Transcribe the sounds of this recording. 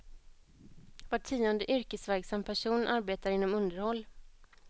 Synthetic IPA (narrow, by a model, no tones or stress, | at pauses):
vaʈʰːiːɔnd̪əʔʏɾkəsvæɾɡsamːpʰæʂuːnʔaɾbeːt̪aɾɪnːɔmɵnd̪əɾhɔlː